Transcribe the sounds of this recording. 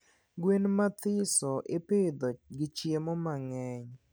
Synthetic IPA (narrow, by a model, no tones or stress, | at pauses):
ɡwenmat̪ɪsɔʔɪpɪd̪ɔɡɪt͡ʃjemɔmaŋɛɲ